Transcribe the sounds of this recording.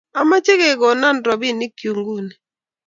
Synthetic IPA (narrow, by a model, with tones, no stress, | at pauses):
a˨ma˦t͡ʃe˦ke˨ɡɔ˨na˦˨ndɔ˨bi˦˨ni˦kjo˨ŋɡu˦˨ni˨